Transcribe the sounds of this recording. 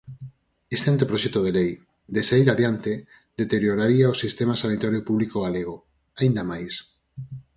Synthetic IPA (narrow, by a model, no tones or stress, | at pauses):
est̪eant̪epɾoʃɛt̪oð̞elej | d̪esaiɾaðjant̪e | d̪et̪eɾjoɾaɾiaosist̪emasanit̪aɾjopuβlikoɣ̞aleɣ̞o | aind̪amajs